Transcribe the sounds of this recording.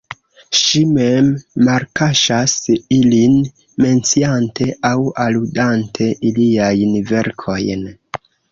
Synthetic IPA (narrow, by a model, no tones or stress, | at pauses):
ʃime̞mːaɾkaʃasilin | me̞nt͡siante̞ʔawaludantʰe̞ʔiliajnve̞ɾkʰo̞jn